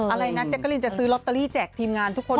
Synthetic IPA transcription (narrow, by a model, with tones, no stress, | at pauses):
ʔa˧ɾa˧jna˦˥t͡ɕɛ˨˩kːlji˧nt͡ɕa˨˩sɯː˦˥lo˦˥t̪ːə˧liː˥˩t͡ɕɛː˨˩t̪ʰiː˧mŋaː˧nt̪ʰu˦˥kʰo˧˨